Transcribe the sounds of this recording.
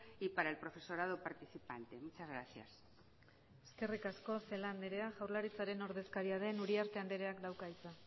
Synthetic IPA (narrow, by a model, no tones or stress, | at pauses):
ipaɾaelpɾofe̞so̞ɾað̞opaɾt̪iθipant̪e̞mut͡ʃazɣɾaθja̰s | e̞ske̞rikasko̞se̞land̪eɾe̞aʝawɾlaɾit͡saɾe̞no̞ɾðe̞skaɾiað̞e̞nuɾiaɾt̪e̞and̪eɾe̞aklawkajt͡sa